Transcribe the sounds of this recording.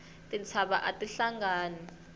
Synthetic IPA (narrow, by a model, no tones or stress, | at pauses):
tʼit͡sʰaɓaʔatʼiɬaŋɡaːni